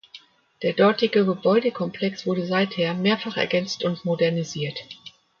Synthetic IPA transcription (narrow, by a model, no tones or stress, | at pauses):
d̥eːɐdɔɐtɪɡəɡəbɔʏdəkʰɔmpl̥ɛksv̥ʊɐdəzaɪtheːɐmeːɐfaχɛ̰ɐɡɛnt͡stʊntmodɛɐniziːɐt